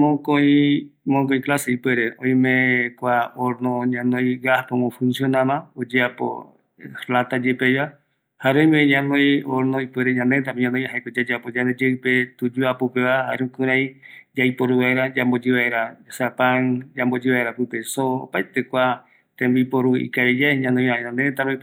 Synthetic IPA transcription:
mõkoĩmõk̬õĩklaseipweɾeõj̃mẽkʷaoɾnõɲãnõĩɡahpowõfũnsjonãmãod͡ʒeapo̰ | lat̪ad͡ʒepejβa | haɾeõj̃meɲãnõj̃oɾnõipweɾeɲãnd̪ent̪̬amɲãnõj̃ɦaekod͡ʒad͡ʒeapod͡ʒãned͡ʒeɨpet̪ud͡ʒuapopeβaha̰ɾũkɨ̃ɾãjd͡ʒajpoɾuβaeɾad͡ʒambod͡ʒiβaeɾasapand͡ʒambod͡ʒiβaeɾapɨpesoo̰pajt̪ekʷa | t̪ẽmbipoɾuḭkaed͡ʒaeɲãnõj̃aɲãnd̪et̪ãmõ

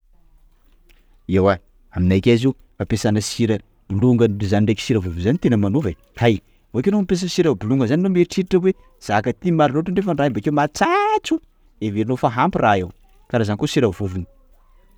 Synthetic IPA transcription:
ewa | aminajkʲazi | mapesanəsiɾə | b̥uluŋɡənzaniɳɖ͡ʐejki̥siɾəvuvizanit̪enəmanuvaj | haj | voakenompes̬əsiɾəbuluŋɡəzannomeɾʈ͡ʂiɾiʈ͡ʂəwe | z̥akət̪imaɾinoʈ͡ʂəɳɖ͡ʐefənraimbakewmat͡sat͡su | eveɾinofaɦampiraew | kaɾazanikosiɾavuvuni̥

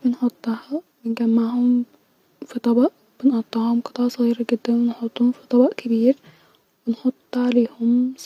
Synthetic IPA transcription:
benħot̪ˤːɑhɑ | bɪnɡæmːaʕhʊm | fit̪ˤɑbɑʔ | b̥enʔot̪ˤːɑhʊmqɨ̥t̪ˤʕɑsˤɑɣiːɾɑɡed̪ːænwenħot̪ˤːuːhnfi̥t̪ˤɑbɑʔkæbiːɾ | wɪnħot̪ˤːʕaleːhʊms

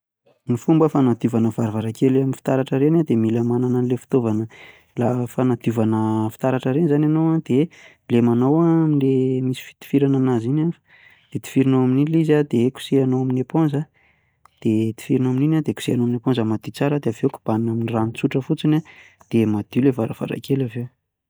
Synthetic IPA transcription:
nifumbəfanad̪uvanəvaɾvaɾakʰelaminfi̥t̪aɾaʈ͡ʂəɾenad̪emiləmanananlefi̥t̪ovanə | lafanad̪uvanəfi̥t̪aɾaʈ͡ʂəɾenizanʲanowad̪̥e | lemanowamilemisi̥fi̥t̪i̥fiɾananazinaf | d̪̥et̪i̥fiɾinoaminilizad̪eku̥sianoamineponzə | d̪̥et̪i̥fiɾinoamininad̪eku̥sianoamineponzəmad̪it͡saɾad̪eaveku̥b̥annaminiranit͡suʈ͡ʂəfut͡sina | d̪̥emad̪̥ilevaɾə̰v̥a̰ɾa̰kelavew

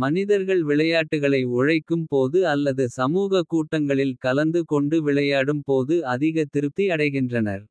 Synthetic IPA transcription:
mɐnɪðɐɾɣɐɭʋɪɭɐjaːʈːɯɣɐɭɐɪʊɻɐɪkːɯmpoːðɯɐlːɐðɯsɐmuːɣɐkuːʈːɐŋɡɐɭɪlkɐlɐnd̪ɯkɔɳɖɯʋɪɭɐjaːɽɯmpoːðɯɐðɪɣɐt̪ɪɾɯt̪ːiɐɽɐɪɣɪndrɐnɐ̰ɾ

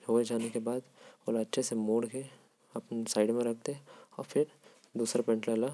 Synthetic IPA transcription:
ɦoːed͡ʒaːnekebaːd̪olaɐtːʃʰesemoːɽke | ɐpnsaːɪɖmẽɾɐkʰt̪eɦɛɔ̰ːɾfʰɪɾ | d̪uːsɾapɛ̃ɳʈlala

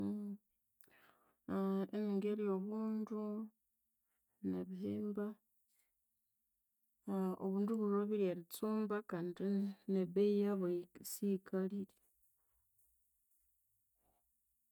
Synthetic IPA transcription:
eniŋɡeɾijoβuːndu | naβiheːmba | o̰βuːnduβuroβiɾiaɾit͡suːmbakaːndineβejaβosikʰaliɾe

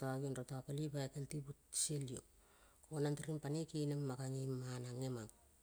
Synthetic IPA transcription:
toaɡionɾotaapalipaekeltibutselio̰ | onantiɾimpanikinemːakaŋimːanaŋemak

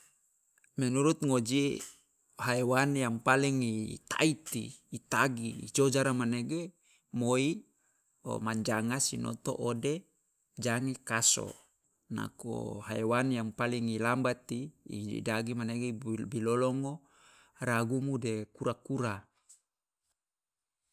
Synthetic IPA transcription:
menuɾut̪̚ŋod͡ʒi | haewanjaŋpaliŋit̪a̰it̪ḭːt̪aɡḭːd͡ʒod͡ʒaɾamaneɡe | moi | o̰maɲd͡ʒaŋasino̰t̪o̰ʔode | d͡ʒaŋikaso̰ | na̰ko̰haewanjaŋpaliŋilambat̪ḭːd͡ʒḭdaɡimaneɡebilolɔŋo | ɾaɡumudekuɾakuɾa

